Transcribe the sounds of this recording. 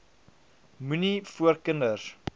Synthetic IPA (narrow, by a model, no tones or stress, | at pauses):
munifuərkəndər